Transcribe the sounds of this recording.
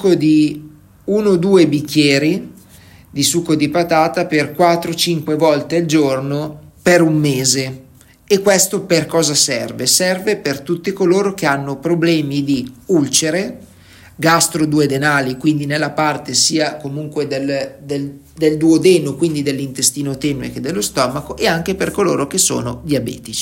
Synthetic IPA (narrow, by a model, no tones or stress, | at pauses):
kod̪i | unod̪uːebikːjɛːɾi | d̪isukod̪ipat̪aːt̪aperkwat̪ːɾot͡ʃiŋkwevɔlt̪eald͡ʒornopeɾumːeːze | ekːwest̪operkɔːzasɛrvesɛrvepert̪ut̪ːikoloːɾok̟eanːopɾoblɛːmid̪iult͡ʃeɾe | ɡast̪ɾod̪uːed̪enaːlikwind̪inelːapart̪esiːakomuŋkwed̪eld̪el | d̪eld̪uod̪ɛːnokwind̪id̪elːint̪est̪iːnot̪ɛmnḛked̪elːost̪ɔːmakoʔeaŋk̟eperkolo̰ːɾok̟eso̰ːnod̪iabɛ̰ːt̪it͡ʃi̥